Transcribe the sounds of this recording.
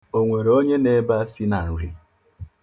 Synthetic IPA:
o˨ŋʷe˨ɾo˦ɲe˦ne˦ba˦si˦na˨n̩˨ɾi˦

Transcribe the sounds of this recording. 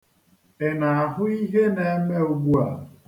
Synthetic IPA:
e˨na˨a˨ɦʊ˦i˦ɦe˦ne˨˦me˦u˨ɡ͡bu˦a˨

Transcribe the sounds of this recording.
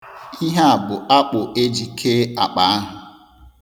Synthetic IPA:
i˦ɦa˦a˨bʊ˨a˦k͡pʊ˨ʔe˦d͡ʒi˨kʰe˦a˨k͡pa˨a˦ɦʊ˨

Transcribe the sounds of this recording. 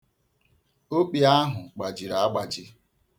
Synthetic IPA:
o˦k͡pi˨a˦ɦʊ˨k͡pa˨d͡ʒi˨ɾa˨a˦ɡ͡ba˨d͡ʒɪ˦

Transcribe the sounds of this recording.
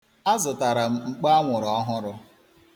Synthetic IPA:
a˦zʊ˨ta˨ɾa˨m̩˦ŋ͡m̩˨k͡pa˦a˦ŋʷʊ˨ɾɔ˦ɦʊ˦ɾʊ˦

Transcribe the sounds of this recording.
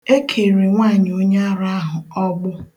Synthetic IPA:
e˦kʰe˨ɾi˨ŋʷa˦˨ɲ˨o˦ɲa˦ɾa˦ɦʊ˨ɔ˦ɡ͡bʊ˦

